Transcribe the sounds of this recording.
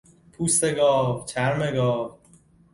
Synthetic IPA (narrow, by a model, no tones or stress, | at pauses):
pʰust̪eɡɒːt͡ʃʰæɾmeɡɒːv